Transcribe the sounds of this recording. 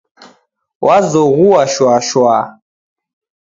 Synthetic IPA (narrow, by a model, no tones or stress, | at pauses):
wʔazɔɣuwaʃwaʃwa